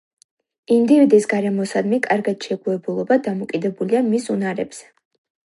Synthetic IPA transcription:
imd̪ivid̪isɡaɾɛmɔsad̪mikʼaɾɡad̪̥ʃɛɡuɛbulˠɔbad̪amɔkʼid̪ɛbuliamisunaɾɛ̰bz̥ɛ̥

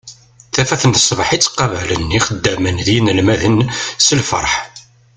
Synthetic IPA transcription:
θæfæθənθsˤːvħit͡sːqːɑvælənːiχəd̪ːæmənðinəlmæðənsəlfə̰ɾˤħ

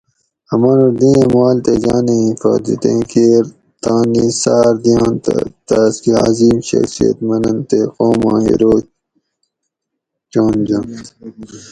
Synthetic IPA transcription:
ɐmɐnuɾd̪ĩːẽmaːlt̪ed͡ʑaːnẽĩfa̰ːd̪it̪ẽkʰeːɾ | t̪ãːnisaːɾd̪ijãːnt̪t̪aːskiaːziːmɕɐ̰xsijɐ̰t̪mɐnɐnt̪eqoːmãːɦḭɾoː | t͡ɕoːnd͡ʑɐn

